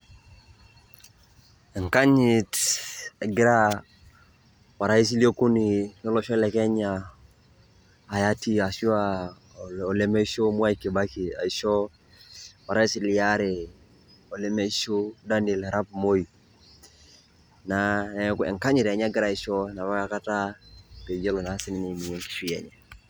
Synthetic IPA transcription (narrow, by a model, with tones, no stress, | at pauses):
ɛ˨ŋka˦ɲi˨te˨ɡɪ˦ɾa˦ | wa˨ɾa˦i˦s̬i˦lo˦ku˦ni˨nɔ˦lo˦ʃɔ˦lɛ˨kɛ˦ɲa˨ | ja˦ti˦a˨si˦a˨ | ɔ˨le˦me˦i˦so˦mu˦a˦i˨ki˨ba˦ki˨a̰˨i˨ʃɔ˦ | wa˨ɾa˦i˦si˦lɪ˨ja˦ɾe˨ | ɔ˨lɛ˦mɛ˦i˦ʃo˦da˦ne˨la˨ɾa˦pmo˦i˨ | na˨ɛ˨kɛ̰˨ŋka˦ɲɪ˨ɾa˨ɲa˦ɡɪ˦ɾa˨i˦ʃɔ˦na˨βa˦ka˦ka˦ta˦pe˨d͡ʒe˦lo˨na˨˦sɪ˦nɪ˦nɛ˨mi˨ɲɛ˦ŋki̥˨ʃi˦jɛ̰˨ɲɛ˨